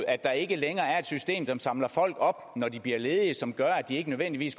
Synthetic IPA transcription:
æd̥ɑ̈e̝ɡ̥əleŋɐːæɐe̝d̥sysd̥e̝̰ːmsɒ̽msɑ̈mlɐfɒ̽l̰ɡ̥ɒ̽b̥nɒdib̥liɐle̝ːð̞ˠiəsɒ̽mɡ̥ɶɐæd̥ie̝ɡ̥ənøðˠʋen̰d̥iʋḭːsɡ

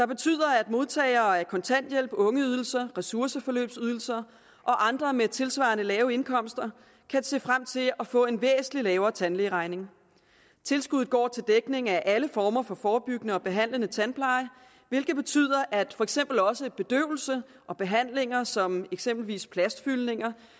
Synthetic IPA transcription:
d̥ɑ̈b̥e̝t͡sʰy̰ð̞̰ˠɐæd̥mo̝ðˠt͡sʰɛ̰ːɪɐːæɐkʰɒ̽nt͡sʰæn̰d̥jel̰b̥ɔ̽ŋəyð̞ˠl̩sɐʁɛsuɐsəfɒ̽lø̰ːb̥syð̞ˠl̩sɐ | ʔɒ̽ʔɑ̈nd̥ʁɐmet͡sʰe̝lsʋɑ̰̈nəlɛːʊe̝nkʰɒ̽m̰sd̥ɐ | kʰæse̝̰ːfʁam̰t͡sʰe̝lɒ̽fɔ̰̽ːe̝nʋḛːsn̩lilɛːʊɐːt͡sʰænleːʁɑ̈ɪne̝ŋ | t͡sʰe̝lsɡ̥uð̰̩ˠɡ̥ɒ̰ːt͡sʰe̝ld̥eɡ̥ne̝ŋæʔæləfɒːmɐfɒ̽fɒːb̥yɡ̥ənəɒ̽b̥e̝ɦæn̰lənət͡sʰænpʰlɑ̈ɪ | ʋe̝lɡ̥ð̩ˠb̥e̝t͡sʰy̰ð̞̰ˠɐʔæd̥fɒ̽eɡ̥semb̥l̩ɒ̽səb̥e̝d̥ø̰ʊl̩sə | ʔɒ̽b̥e̝ɦæn̰le̝ŋɐsɒ̽meɡ̥sem̰b̥l̩ʋḭːspʰlæsd̥fylne̝ŋɐ

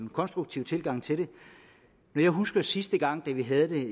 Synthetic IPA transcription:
nkʰɒ̽nsd̥ʁuɡ̥̚t͡sʰḭʊ̰t͡sʰe̝lɡ̥ɑ̈ŋ̰t͡sʰe̝ɾe̝ | nɒjɑ̈ɪɦusɡ̥ɐsisd̥əɡ̥ɑ̈ŋ̰d̥æʋiɦæð̞̩ˠd̥e̝

